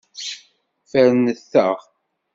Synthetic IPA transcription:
fæɾnəθːəʁ

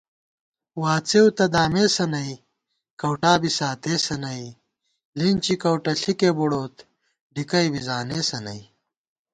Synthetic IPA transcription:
waːt͡sewt̪ɐd̪aːmeːsɐnɐi | kɐwʈaːbisaːt̪eːsɐnɐi | lint͡ɕikɐwʈɐɬikebuɽoːt̪ | ɖikɐjbizaːneːsɐnɐ̰i

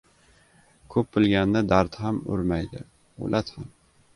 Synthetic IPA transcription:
kʰɵpːɪlɡʲanːɪd̪aɾt̪hamɵ̰ɾmajd̪ɪ̰ | o̰lʔat̪ham

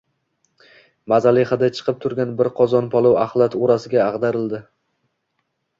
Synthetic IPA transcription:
mazalɪχad̪at͡ʃʰɨ̥qʰɨp̚t̪ʰʊɾɡʲanbɪɾqʰɒzɒnpʰɒlˠowaχlˠat̪ʰoɾasɪɡʲaːʁd̪aɾɪld̪ɪ

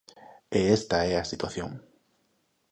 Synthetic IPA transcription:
eest̪aɛasit̪waθjo̰ŋ

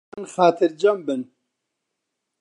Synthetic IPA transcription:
nxaːt̪ʰɨɾd͡ʒɐmbɨn

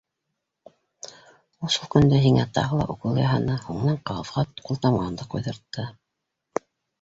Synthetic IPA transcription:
uʃɤlˠkɵ̆nd̪æɦiŋæt̪ɑ̰ʁɤlˠɑ̰ʔuqɤlˠjɑɦɑnɤhuɴnɑɴqɑlˠɤ̆fʁɑqulˠt̪ɑmʁɑnd̪ɤqujðɤ̆ɾt̪ːɤ

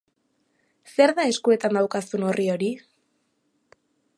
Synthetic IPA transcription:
se̞ɾðae̞skue̞t̪and̪awkasuno̞rio̞ɾi

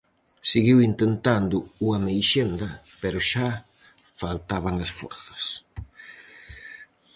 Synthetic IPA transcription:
siɣiwint̪ent̪and̪ʊuɐmejʃend̪ɐpeɾʊʃa | falt̪aβaŋasfɔ̰ɾθɐ̥s

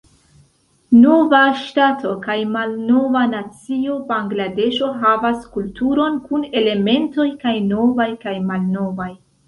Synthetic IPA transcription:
no̞vaʃtatʰo̞kajmalno̞vanat͡sio̞baŋɡlade̞ʃo̞ɦavaskultuɾo̞nkune̞le̞me̞nto̞jkajno̞vajkajmalno̞vaj

